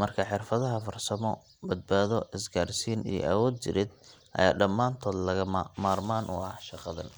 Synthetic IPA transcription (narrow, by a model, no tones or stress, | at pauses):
mɐrkʰɐħɪrfɐðɐɦɐfɐrsɐmɔ | bɐd̪̚baːðɔʔɪsɡaːɾsiːnḭjɔ̰ʔɐwɔːd̪̚t͡ʃɪ̰ɾɪd̪ | ʔɐ̰ja̰ːɖɐmːaːnt̪ʰɔːd̪lɐɣɐmmaːrmaːnʔʊ̰ɐhʃɑqɑðɐ̰n